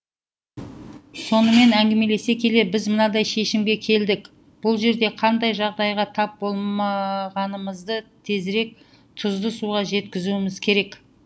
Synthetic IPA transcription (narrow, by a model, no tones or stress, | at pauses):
so̞nəme̞næŋɡʲeme̞le̞se̞kʲʰe̞lebɪzmənɑd̪ɑjʃe̞ʃɪmɡʲe̞kʲʰe̞ld̪ɪk | b̥ʊlˠʒe̞ɾd̪e̞qʰɑnd̪ɑjʒɑʁd̪ɑjʁɑt̪ʰɑp̚bo̞lˠmɑʁɑnəməzd̪ət̪ʰe̞zɾe̞k̚ | t̪ʰʊzd̪əsuʁɑʒe̞t̪kʲɪzuɪmɪzkʲʰe̞ɾe̞k